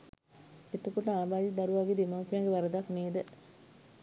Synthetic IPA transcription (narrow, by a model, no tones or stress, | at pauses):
et̪əkoʈəaːbaːd̪id̪ɐɾuʋaːɡed̪emaupjaŋɡeʋaɾəd̪akneːd̪ə